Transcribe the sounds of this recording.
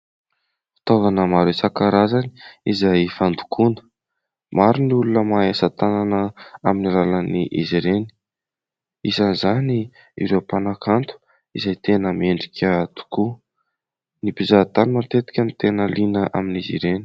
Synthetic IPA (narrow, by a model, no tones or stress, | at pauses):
fi̥t̪ovanəmaɾesakaɾazani̥izajfand̪u̥kʰunə̥ | maɾiniulunəmaesat̪ananəaminilalaniʔḭziɾeni̥ | isanzani | ḭɾewpanakʰant̪u̥ | izajt̪enəmeɳɖ͡ʐikʲʰət̪u̥ku | nipizat̪animat̪et̪i̥kʲənit̪enəlinəʔaminizḭɾeni̥